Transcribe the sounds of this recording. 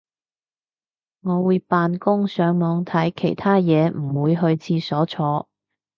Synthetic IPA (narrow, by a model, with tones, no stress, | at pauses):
ŋɔː˨˧wuː˨˧jpaː˧nkʊ˥ŋsœː˨˧ŋmɔː˨˧ŋt̪ʰɐ˨˥jkʰe˨˩jt̪ʰaː˥jɛː˨˧m̩˨˩wuː˨˧jɦɵ˧ɥt͡sʰiː˧sɔː˨˥t͡sʰɔː˨˧